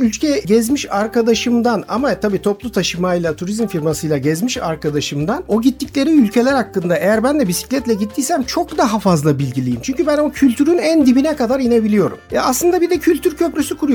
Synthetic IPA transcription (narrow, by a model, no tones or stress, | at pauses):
ylʲcʰɛɟɛzmiʃaɾkad̪aʃɯmd̪anamat̪ʰabiːt̪ʰo̞plˠut̪ʰaʃɯmajlˠat̪ʰuɾizmfiɾmasɯjlˠaɟɛzmiʃa̰ɾkʰad̪aʃɯmd̪ano̞ɟit̪ːiclʲe̞ɾiylʲcʰe̞lʲæɾhakːɯnd̪aʔejæɾbænd̪ɛbisi̥clʲɛt̪lʲɛɟit̪ʰːiːsæmt͡ʃʰo̞kd̪aɦafazlˠabilʲɟilʲijimt͡ʃʰyɲcybæno̞cʰylʲt̪ʰyɾynænd̪ibinɛkad̪aɾine̞bilʲijo̞ɾṵmja̰ːslˠɯnd̪abid̪ɛcʰylʲt̪ʰyɾcʰø̞pɾʲysykʰuɾuj